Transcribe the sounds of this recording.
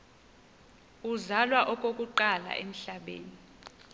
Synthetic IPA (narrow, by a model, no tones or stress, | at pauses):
uzalwaʔɔkʼokʼuǃala̰ʔem̩ɬaɓḛːni